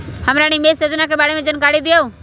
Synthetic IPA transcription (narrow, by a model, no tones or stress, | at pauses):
həmɾaːñimeːsed͡ʒnakebaːɽemẽd͡ʒənkaːɽid̪ɪjo